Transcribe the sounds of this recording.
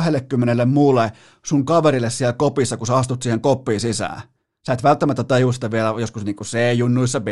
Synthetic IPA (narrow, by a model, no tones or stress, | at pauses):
helːekːymːenelːemmuːlːe | suŋkɑʋeɾilːˑessielkopisːɑkuseɑst̪ut̪siːheŋkopːiːnsisæ̰ˑː | sæːˑet̪ʋælt̪ːæmæt̪ːæt̪ɑjust̪ɑʋielæjoskusniːŋkuseˑjunːuisːɑpe